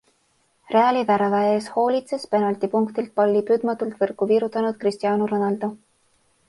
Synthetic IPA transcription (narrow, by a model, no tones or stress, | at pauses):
re̞ɑlʲivæɾɑvɑe̞ːsho̞ːlʲit̪se̞spe̞nɑlt̪ipuŋkt̪ilt̪̚pɑlʲːipyːd̪̥mɑt̪ːult̪vɤrkːˑuviːɾut̪ːˑɑnud̪̥̚krist̪ijɑːnuɾonɑld̪̥o